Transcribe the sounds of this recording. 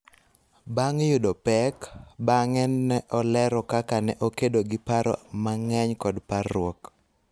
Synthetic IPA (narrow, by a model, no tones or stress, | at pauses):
baŋjʊdopɛkbaŋɛnːɛʔɔlɛɾɔkakanɛʔokedoɡɪpaɾɔ̰maŋɛɲkɔdparʊɔk